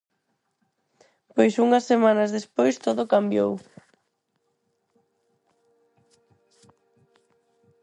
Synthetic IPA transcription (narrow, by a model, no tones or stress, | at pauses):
pojsuŋɐsːemanɐzðespojst̪oðʊkambjow